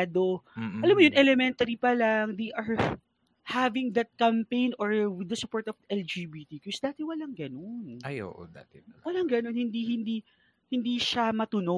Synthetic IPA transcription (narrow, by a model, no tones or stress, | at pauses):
d̪oɐlamːojʊnʔɛlɛmɛnt̪ɐɾipɐlaŋd̪ejʔɐɹ | havɪŋd̪ɐt̪̚kɐmpẽjnoɹwɪd̪ɐsʊpɔɹt̪ɔvd̪ʔɛld͡ʒibit̪ikosd̪aːt̪ɛwɐlaŋɡɐnonajʔo̰ːʔo̰d̪a̰t̪ɛwɐlaŋɡɐnonhɪnd̪ihɪnd̪i | hɪnd̪iːʃamɐt̪ʊno